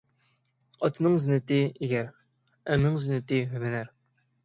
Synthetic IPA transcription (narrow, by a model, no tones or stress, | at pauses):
ɑt̪ʰɨnɨŋzɪnɪt̪ɪiɡʲɛɾ | ɛmɪŋzɪnːɪt̪ɪɦymɪnæɾ